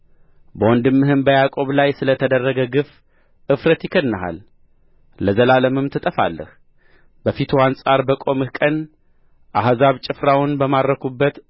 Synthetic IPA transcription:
bəwɔnd̪ɨmːɨhɨmbəjakʼo̞βlajsɨlət̪ʰəd̪ərːəɡəɡɨf | ʔɨfɾət̪jɪkʰənːəɦa̰lː | əzəlaləmɨmt̪ʰɨt̪ʼəfa̰lːə̰h | bəfit̪ʰuansʼaɾbəkʼo̞mɨhkʼən | ʔaɦzaβt͡ʃʼɪfɾawʊnbəmaɾəkʰubːət̪

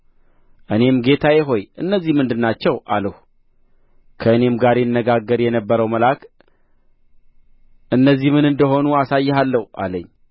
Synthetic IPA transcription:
ʔɨne̞mɡe̞t̪ʰajɪɦo̞jɨnːəzːihmɨnd̪ɨnːat͡ʃːɛwʔa̰ləhu | kʰəɨne̞mɡaɾjnːəɡaɡːəɾjɛnəbːəɾəwməlak | ʔɨnːəzːihmɨnɨnd̪əɦo̞nuasajːɛhalːəhʔa̰ləɲː

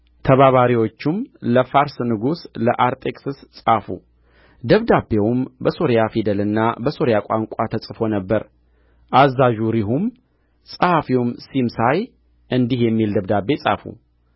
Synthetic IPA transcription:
t̪ʰəβaβaɾiwo̞t͡ʃːumləfaɾsnɨɡusləʔaɾt̪ʰʼekʼsɨssʼafṵ | d̪əβd̪abːe̞wumbəso̞ɾjafid̪əlɨnːabəso̞ɾjakʷʼaŋkʷʼat̪ʰəsʼɨfo̞nəbːəɾ | ʔazːaʒuɾiɦum | sʼəhafiwumsimsaj | ʔɨnd̪ihjɛmːild̪əβd̪abe̞sʼa̰fṵ

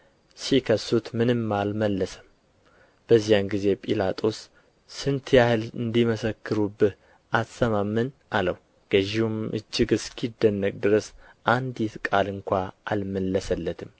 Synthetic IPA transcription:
sikʰəsut̪mɨnɨmːalməlːəsə̥m | b̥əzːijamɡize̞pʼilat̪ʼo̞sː | ɨnt̪ʰjahɨlɨnd̪iməsəkʰːɨɾubːɨh | ʔassəmamːɨnʔaləw | ɡ̥əʒihumɨ̰d͡ʒːɪɡɨskʰid̪ːənːəkʼd̪ɨɾəs | ʔand̪jit̪kʼalɨŋkʷaʔalməlːəsəlːət̪ʰɨm

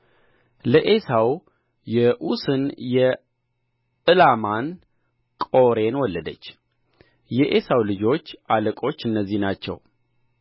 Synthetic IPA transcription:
ləʔesaw | jɛʔusɨnjɛ | ɨlaman | kʼo̞ɾe̞nwɔlːəd̪ət͡ʃː | jɛʔe̞sawlɨd͡ʒo̞t͡ʃːʔaləkʼo̞t͡ʃːɨnːəzːihnat͡ʃːɛ̰w

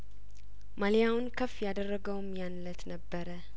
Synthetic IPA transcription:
malijawnkʰəfjad̪ərːəɡəwmjanlət̪nəbːəɾə

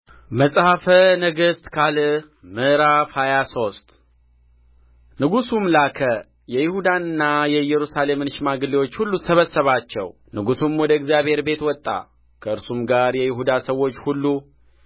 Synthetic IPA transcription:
məsʼhafənəɡɨst̪kʰal | mɨɾafhajaso̞st̪ | nɨɡusumlakʰə | jɛjɪhud̪anɨnːajɛjɛɾusale̞mɨnʃmaɡɨliwot͡ʃːhulːusəβəsəβat͡ʃːɛ̰w | nɨɡusumwɔd̪əɪɡzjaβhe̞ɾbe̞t̪wɔt̪ʼːa̰ | kʰəɨɾsumɡaɾjɛjɪɦud̪asəwo̞t͡ʃːhulːu

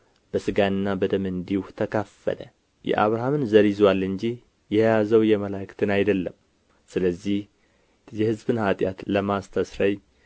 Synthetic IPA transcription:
b̥əsɨɡanɨnːabəd̪əmɨnd̪iwuht̪ʰəkʰafːə̰lə̰ | jɛ̰ʔaβɾaɦamɨnzəɾizwalːɨɲd͡ʒih | jɛjazəwjɛməlakt̪ʰɨnajd̪əlːəm | sɨləzːih | jɛhɨzbɨnhat̪ʼjat̪ləmast̪ʰəsɾaj

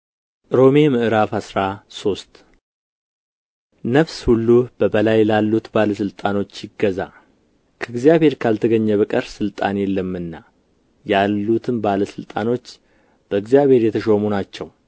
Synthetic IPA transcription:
ʔɨɾo̞memɨʔɨɾafhasɾaso̞st̪ | nəfshulːub̥əbəlajlalːut̪baləsɨlt̪ʼano̞t͡ʃːjɪɡːəza | kʰəɨɡzijaβʱhe̞ɾkʰalt̪ʰəɡəɲːɛβəkʼəɾsɨlt̪ʼanjɛlːəmɨnːa | jalːut̪ʰɨmbaləsɨlt̪ʼano̞t͡ʃː | b̥əɨɡzijaβhe̞ɾjɛt̪ʰəʃo̞munat͡ʃːɛw

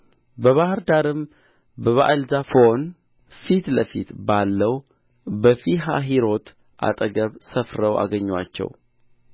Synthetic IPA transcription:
bəβahɨɾd̪aɾɨm | bəβa̰ʔɨlzafon | fit̪ləfḭt̪balːəw | bəfiɦa̰ɦiɾo̞t̪ʰ | ʔa̰t̪ʼəɡəβsəfɾəwʔa̰ɡəɲːwa̰t͡ʃːɛ̰w

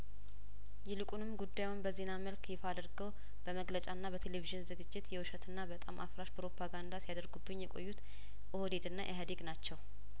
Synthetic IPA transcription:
jɛlɨkʼunɨmːɡud̪ːajunbəze̞naməlkjɛfad̪əɾɡəw | b̥əməɡlət͡ʃʼanːaβət̪ʰe̞leviʒɨnzɨɡɨd͡ʒːɪt̪jɛwɨʃət̪ʰɨnːabət̪ʼa̰mʔafɾaʃpɾo̞pʰaɡand̪asijad̪əɾɡubːɨɲːjɛkʼo̞̰jːut̪ | ʔohod̪ed̪ɨnːa̰ʔɛɦəd̪eɡnat͡ʃːɛw

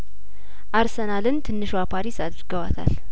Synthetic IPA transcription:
ʔaɾsənalɨnt̪ʰɨnːɨʃwapʰaɾisad̪ɾəɡəwat̪ʰa̰l

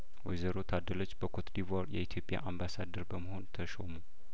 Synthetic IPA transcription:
wɔjzəɾot̪ʰad̪ːəlot͡ʃːb̥əkʰot̪d̪ivaɾjɛ̰it̪ʰjo̞pʼja̰ʔambasad̪əɾbəməho̞nt̪ʰəʃomu

